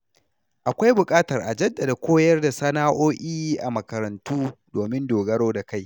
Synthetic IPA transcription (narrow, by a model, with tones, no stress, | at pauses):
ʔa˨kʷa˦jbʊ˨kʼaː˦tɐ˨rʔa˨d͡ʒɐ˦dːa˨da˨kʷoː˦jɐ˦rda˨sɐ˦naː˦ʔoː˦ʔʲiː˦ʔa˨mɐ˨kɐ˨ɾɐ˨ntuː˦doː˨mɪ˦ndoː˨ɡɐ˦ɽoː˦da˨ka˦j